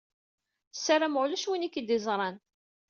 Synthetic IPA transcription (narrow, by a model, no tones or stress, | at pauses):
sːaɾamʊʁluʃwinikːəd̪izˤɾˤɑn